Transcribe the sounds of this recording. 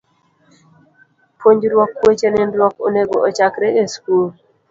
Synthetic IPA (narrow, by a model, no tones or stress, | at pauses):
pʰoɲd͡ʒɾwɔkːwet͡ʃenɪnɾwɔko̰neɡoʔɔt͡ʃakɾeeskul